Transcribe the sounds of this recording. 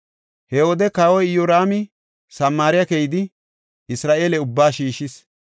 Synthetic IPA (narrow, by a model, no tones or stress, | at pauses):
hɛwoːd̪ɛkaːwɔjjoɾaːmɪ | sɐmːaːɾɪjɐkejɪd̪ɪ | ɪsɾaːʔe̞ːlɛʊbːaːʃiːʃɪs